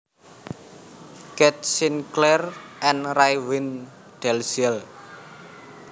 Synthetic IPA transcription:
kɛt̪̚sinklɛrʔɛnrajwɪn | d̪̥ɛlsiɛl

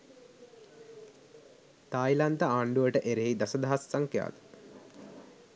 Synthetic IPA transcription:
t̪aːjlant̪əaːɳɖuʋəʈəʔeɾeid̪asəd̪aɦasːaŋkja̰ːd̪ə

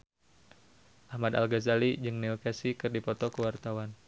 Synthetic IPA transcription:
ʔahmad̪a̰lɡazalid͡ʒɨŋniukasikɨrdipɔt̪ɔkəwart̪awan

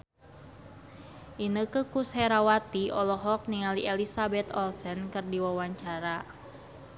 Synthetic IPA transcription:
ʔinəkəkushɛɾawat̪iɔlɔɦɔk̚niŋaliʔelisabɛt̪ɔlsɛnkɨrdiwawaɲt͡ʃaɾa

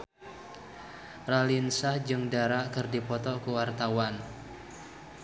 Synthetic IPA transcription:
ralinsahd͡ʒɨŋdaɾaʔkɨrdipɔt̪ɔkuwart̪awan

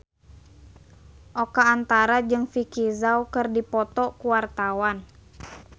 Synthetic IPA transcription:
ʔɔkaːnt̪aɾad͡ʒɨŋfikizawkɨrdipɔt̪ɔkuwart̪awan

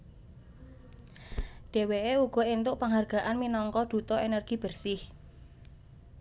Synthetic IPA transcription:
ɖ̥e̤weeuɡ̥ɔ̤ent̪ʊʔpaŋɦarɡ̥a̤ʔanminɔŋkɔd̪̥ṳt̪ɔenɛrɡ̥i̤b̥ərsɪh

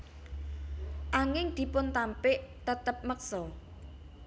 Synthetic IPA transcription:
ʔaŋɪŋd̪̥i̤pʊnt̪ampɪʔt̪ət̪əp̚mək̚sɔ

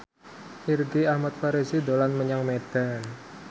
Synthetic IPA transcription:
ʔirɡiahmat̪̚faɾisid̪olanməɲaŋmed̥an

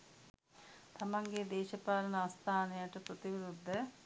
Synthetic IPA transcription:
t̪ʰɐmɐŋɡed̪eːɕɐpaːlɐnɐɐst̪ʰaːnɐjɐʈɐpɾɐt̪iʋiɾud̪ʱːɐ

